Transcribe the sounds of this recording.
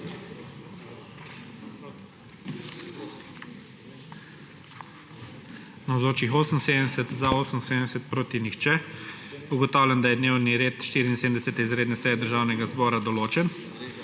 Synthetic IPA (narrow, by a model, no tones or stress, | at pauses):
nawzoːt͡ʃixoːsənseːd̪ənd̪ɛsɛt̪zaoːsənseːd̪ənɛsɛt̪̚pɾoːt̪inixt͡ʃɛ | uɡɔt̪aːwlʲjand̪ajɛd̪neːwniɾeːt̪ʃt̪iːɾiːnseːd̪mnd̪ɛsɛt̪ɛizɾeːd̪nɛsɛjɛd̪əɾʒaːwnɛɡazbɔːɾad̪ɔloːt͡ʃɛn